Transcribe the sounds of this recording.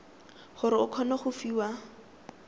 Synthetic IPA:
χʊɾɪʊkʰɔnɔχʊfiːwa

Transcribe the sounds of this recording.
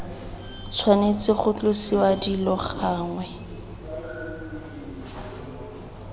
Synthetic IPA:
t͡sʰwanet͡sɪχʊt͡ɬʊsiwadilɔχaːŋwɛ

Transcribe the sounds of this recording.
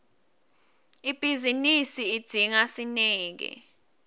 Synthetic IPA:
ib̥ʱizinisiid̥d̥ʱiŋasinɛːk̬ɛ̰

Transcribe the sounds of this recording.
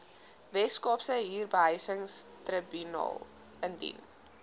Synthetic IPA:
vɛtskɔpsəɦiːrbəɦəjsəŋstrəbynɑ̰ːlˠ | əndḭn

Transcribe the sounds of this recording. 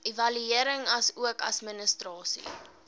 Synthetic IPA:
ivɐlyiəɾəŋɐsuəkɐ̰smənəstrɑːsḭ

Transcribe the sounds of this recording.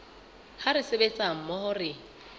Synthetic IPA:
haɾɪsebet͡sʼaŋ̩mɔhʊrɪ

